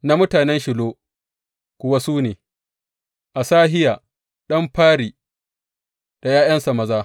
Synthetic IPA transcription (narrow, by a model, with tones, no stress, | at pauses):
na˦mʊ˦taː˨nɛ˦nʃɪ˨loː˦ | kʷʊ˨wa˦suː˦neː˨ | ʔa˨saː˦ɦɪ˦jaː˨ | ɗɐ˦mɸaː˦ɾiː˨ | d̥a˨jaː˦jɐ˦nsa˨mɐ˨zaː˦